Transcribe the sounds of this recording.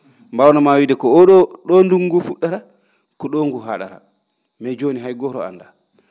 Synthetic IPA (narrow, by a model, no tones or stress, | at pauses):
mbawnamawidɛkɔɔɗɔɗɔnduŋɡufuɗaɾa | kɔɗoŋɡuɦaɗa̰ɾa̰ | mɛd͡ʒoniɦajɡɔɾɔa̰nda